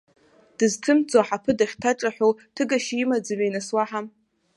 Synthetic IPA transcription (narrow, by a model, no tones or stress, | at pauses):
d̥ɨztʰɨmt͡sʼaħapʰɨdaχʲtʰaʈ͡ʂʼaħʷᶣowtʰɨɡaʃimad͡zɨɥajnaswaħam